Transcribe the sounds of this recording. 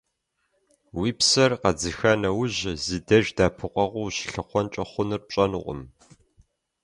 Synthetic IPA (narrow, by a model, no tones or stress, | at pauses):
wiːpsɐrqɐd͡zɨxɐnɐwʊʑzɨdɐʒdaːpʰɨqʷɐʁʷʊwɕɬɨqʷɔnt͡ʃʼɐχʷʊnɨrp̚ɕʼɐnɨʁʷʊ̰m